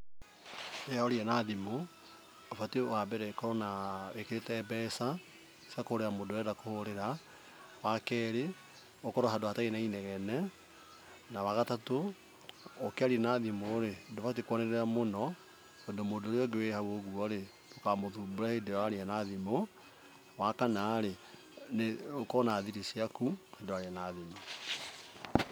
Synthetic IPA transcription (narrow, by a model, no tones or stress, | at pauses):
ɛaoɾianaðimo | ofatewabɛɾɛkɔɾɔnawekeɾetɛbɛsa | sakohoɾeɾamodoɛdakohoɾeɾa | wakɛɾe | okɔɾɔɦadoatainainɛɣɛnɛ | nawaɣatatoː | keaɾiɛnaðimoɾedovat̬ekwɔnɛeamonɔ | odomodoɾeɔɡewehaoɣuɔɾe | dokamoðubuɾahedewaɾeanaðimo | wakanaːɾe | neokɔnaðiɾisiakuhadoaɾeanaðimo